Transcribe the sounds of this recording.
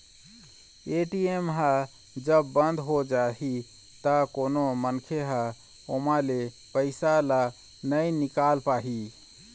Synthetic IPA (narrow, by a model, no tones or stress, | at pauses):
eʈiemɦa | d͡ʒəbːənd̪ʱɦod͡ʒaɦi | t̪əkonomənkʰeɦa | omale | pəɪsala | nəjnikalpaɦi